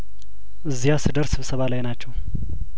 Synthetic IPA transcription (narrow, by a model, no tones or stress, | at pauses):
ʔɨzːijasɨd̪əɾsɨβsəβalajnat͡ʃːɛw